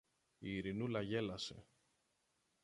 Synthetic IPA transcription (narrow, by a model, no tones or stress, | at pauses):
iːɾinulɐʝe̞lɐse̞̰